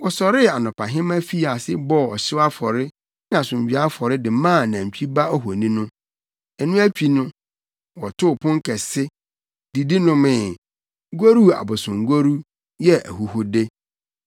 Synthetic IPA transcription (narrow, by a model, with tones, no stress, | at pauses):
wɔ˨sɔ˨ɾɪ˦a˨nʊ̃˨pʰa˨ɦɪ̃˦mæ̃˦fi˦a˨sɪ˦bɔ˦ɔ˨ɕɪ˦wa˦fɔ˨ɾɪ˦ | n˦ã˨sʊ̃˨m˨d͡ʑᶣɥa˦fɔ˨ɾɪ˦dɪ˨mãː˦˨nã˨m˨t͡ɕʰᶣi˦ba˦ɔ˦ɦo˨nĩ˦nʊ̃˦ | ɛ˨nũ˦æ˦t͡ɕᶣi˦nʊ̃˦ | wɔ˨tʰʊ˦˨pʰʊ̃˦ŋ˦kʰɛ˨sɪ˦ | di˨di˦nʊ̃˦mɪ̃˨˦ | ɡo˦ɾu˦a̰˨bʊ˨sʊ̃˨ŋ˨ɡo˦ɾu˦ | jɛ˦æ̰˨ɦu˨hʊ˦dɪ˦